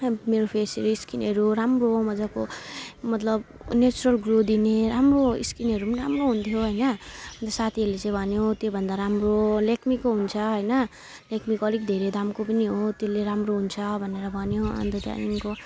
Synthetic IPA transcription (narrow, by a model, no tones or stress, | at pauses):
meɾopʰesʌɾuiskinɦʌɾuɾamroɦomʌd͡zakomʌt̪lʌb | net͡suɾʌlɡrod̪ineɾamroḭskinʌɾupʌnramroɦunt̪ʰjoɦʌjnʌmʌnt̪ʌsat̪ʰiɦʌɾulet͡sãĩbʱʌnjot̪jobʱʌnd̪aɾamrolekʰmikːoɦunt͡sʰʌɦʌjnʌ | lekʰmikʌɾikd̪ʱeɾed̪amkopʌniɦot̪jeleɾamroɦunt͡sʰʌbʱʌneɾʌbʱʌnjoʌ̰nd̪oʈa̰niŋko